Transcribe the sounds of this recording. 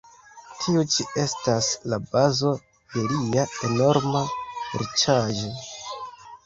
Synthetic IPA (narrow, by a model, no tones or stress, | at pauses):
tʰiut͡ʃiʔe̞staslabazo̞ | d̥e̞liae̞no̞ɾmaɾit͡ʃaʒo